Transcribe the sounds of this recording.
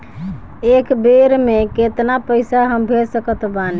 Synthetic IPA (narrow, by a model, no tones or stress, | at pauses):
ekbeɾmeket̪napəɪsaɦəmbʱeɾsəkət̪bani